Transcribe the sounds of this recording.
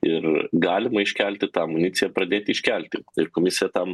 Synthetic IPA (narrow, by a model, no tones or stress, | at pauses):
ɪrɡɑːlʲɪmɐɪʃʲkʲælʲt̪ʲɪt̪ɑːmʊnʲɪt̪sʲɪjɛpɾɐd̪ʲeːt̪ʲiːʃʲkʲælʲt̪ʲɪɪrkoːmʲɪsʲɪjɛt̪ɑm